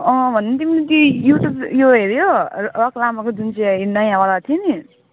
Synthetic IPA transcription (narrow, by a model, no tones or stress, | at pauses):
ʌ̃bʱʌnent̪̬iminut̪ojuʈjubjoɦeɾjorʌklamakod͡zunsʰinʌjãbalat̪ʰieni